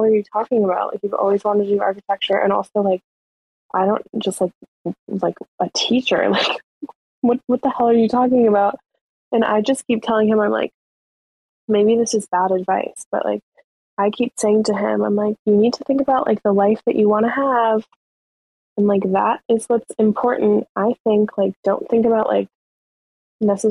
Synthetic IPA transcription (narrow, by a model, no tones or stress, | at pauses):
lˠə˞jɨtʰɔkɪ̃ŋəbaʊʔ̚lʔa̰ɪkjɨʔɔ̰lˠwizwɑ̃nɨdɨɑ̰ɹkɨtʰɛk̚t͡ʃə˞ʔɨ̰̃ɾ̃ɔ̰lˠsoʊlaɪk̚ | ʔaɪɾõʊ̃nd̥ʒ̥ʌst̚ˡlaɪk̚ | laɪkɨtʰit͡ʃə̰˞laɪk | wʌt̚wʌt̪̚ðɨhɛlˠə˞jɨtʰɔkɪ̃ŋɨbaʊt̚ | ɨ̃na̰ɪd͡ʒʌskʰip̚tʰɛlˠɪ̃ŋɨ̃mãɪ̃mla̰ɪk̚ | meɪbiðɪsɨzbæɾɨdvaɪsb̥ʌ̰ʔlʔa̰ɪk̚ | ʔaɪkʰipseɪɪ̃ŋtɨɪ̰̃mãɪ̃mlaɪkjɨnid̚tʰɨθɪ̃ŋkɨbaʊʔlʔa̰ɪk̚ðəlaɪfðɨt͡ʃɨwɑ̃ɾ̃ɨəv̥ | ɨ̃n̩laɪk̚ðæ̰ɾɪzwʌtsɨ̃mpʰɔɹʔn̩tʔaɪθɪ̃ŋkʰlaɪk̚d̥õʊ̃nθɪ̃ŋkɨbaʊʔla̰ɪk̚ | nɛsɨ